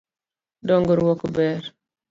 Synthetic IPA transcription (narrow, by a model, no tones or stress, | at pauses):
dɔŋɡɔɾwɔkubɛɾ